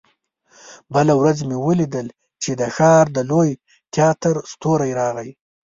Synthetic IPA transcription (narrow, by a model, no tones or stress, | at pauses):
bəlawɾazmewəlid̪əl | t͡ʃed̪əxɑɾd̪əloj | t̪ʰjɑt̪əɾst̪oɾajɾɑɣaj